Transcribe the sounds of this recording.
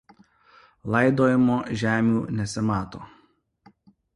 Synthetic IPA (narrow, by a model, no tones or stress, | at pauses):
lˠɐɪd̪oːjɪmoːʒʲæːmʲuːnʲɛsʲɪmɑːt̪oː